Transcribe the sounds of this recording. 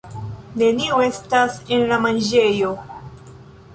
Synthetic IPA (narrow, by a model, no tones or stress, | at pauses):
ne̞nioe̞stase̞nlamand͡ʒe̞jo̞